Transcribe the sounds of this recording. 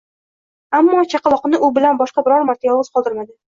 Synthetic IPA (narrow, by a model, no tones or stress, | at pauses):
amːɒt͡ʃʰɑqʰɑlˠɒqnɪʔʊbɪlanbɒʃqɑbɪɾɒɾmaɾt̪ʰajɒvɨz̥qʰɒlˠd̪ɪɾmad̪ɪ